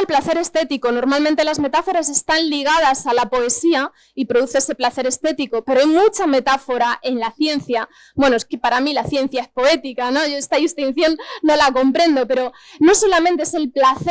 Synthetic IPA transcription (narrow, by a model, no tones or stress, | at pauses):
elplaθe̞ɾe̞st̪e̞t̪iko̞no̞ɾmalmẽnt̪e̞lazme̞t̪afo̞ɾas̬e̞st̪anliɣ̞að̞asalapo̞e̞sia | ipɾo̞ðuθeese̞plaθe̞ɾe̞st̪e̞t̪iko̞pe̞ɾoajmũt͡ʃame̞t̪afo̞ɾaʔe̞nlaθje̞n̟θja | bwe̞noeskepaɾamilaθjẽ̞n̟θjae̞spo̞e̞t̪ikano̞ʝoest̪aist̪inθjo̞nːo̞lako̞mpɾe̞nd̪o̞pe̞ɾo̞no̞so̞lamẽnt̪eese̞lplaθ